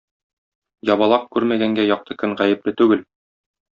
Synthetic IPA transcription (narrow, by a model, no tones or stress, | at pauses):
jɒbɑlˠɑq̚kʉɾmæɡæŋɡæjɒq̚t̪ʰɤkɵŋʁæjɘ̆plɘt̪ʉɡɘl